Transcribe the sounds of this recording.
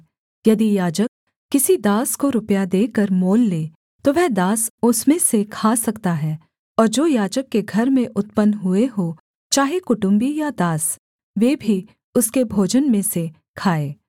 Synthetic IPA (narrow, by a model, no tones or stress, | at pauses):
jɐd̪ijaːd͡ʒəkː | ɪsid̪aːskoɾʊpjad̪eːkəɾmoːlːeː | t̪oʋɛɦd̪aːsʊsmẽsekʰaːsɐkt̪aɦɛː | ɔːɾd͡ʒoːjaːd͡ʒəkːeɡʱɐɾmẽʔʊt̪pənɦʊeɦo | t͡ʃaːɦekʊʈʊ̃mbijad̪aːs | ʋeːbʱi | ʊskebʱoːd͡ʒənmẽse | kʰaːeː